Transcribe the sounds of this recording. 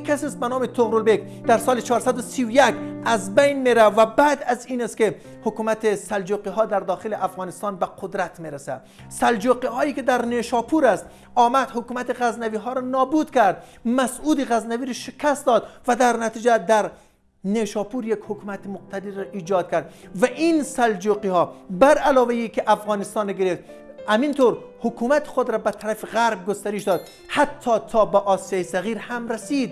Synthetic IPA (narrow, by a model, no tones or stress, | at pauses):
kʰasist̪̚banɔːmet̪ʰoɣɾolbek | d̪æɾsɒːlet͡ʃʰɒɾsad̪ʊsiwjækazbejnmeɾavæbad̪aziːnast̪ke | hʊkumat̪esald͡ʒoqiɦɒd̪æɾd̪ɒːxeleʔafɣɑnɪst̪ɑnbaqʰʊd̪ɾat̪meɾasa | sald͡ʒoqihɔiked̪æɾneʃɒːpʰuɾast̪ | ɒːmad̪hʊkumat̪iɣæznaviɦɔɾɔnɒːbud̪kaɾd̪̚ | mæsud̪iɣaznaviɾʃɪkʰast̪d̪ɒd̪væd̪æɾnæt̪ʰiːd͡ʒæd̪æɾ | neʃɒːpuɾjekhʊkumat̪imʊq̚t̪ʰad̪iɾɔʔiːd͡ʒɒːd̪̚kʰæɾd̪vaʔinsald͡ʒoqihɒːbæɾalɒːvejikeʔafɣɒːnist̪ɒːneɡeɾeft̪hamint̪ʰoɾhʊkʰumæt̪i̥χod̪ɾɒbæt̪ʰaɾafiɣaɾb̚ɡost̪aɾiʃd̪ɒːd̪ | hat̪ʰːɒːt̪ʰɒːbæʔɒːsijɑːjisæɣiːɾhamɾæsid̪